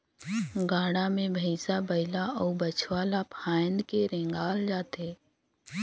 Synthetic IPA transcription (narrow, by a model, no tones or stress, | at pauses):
ɡaːɽamẽbʱəɪsabəɪlaɔːbət͡ʃʰwaːlapʰaːjnkeɾẽːŋɡaːld͡ʒaːt̪eː